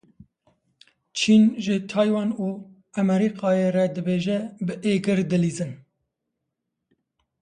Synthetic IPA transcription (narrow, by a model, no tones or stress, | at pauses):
t͡ʃʰiːnʒɨt̪ʰɑːjwɑːnuː | æmɛɾiqɑːjeɾɛd̪ɨbeːʒɛbɨʔeːɡɨɾd̪ɨliːzɨn